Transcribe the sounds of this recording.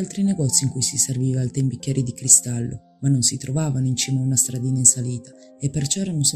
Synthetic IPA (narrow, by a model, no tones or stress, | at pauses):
alt̪ɾineɡɔt̪sːiŋkujsiserviːvalt̪ɛmbikjɛːɾid̪ikɾist̪alːo̰ | manːonsit̪ɾovaːvanoint͡ʃiːmaunast̪ɾad̪iːnainsaliːt̪a | epːert͡ʃɔɛɾanons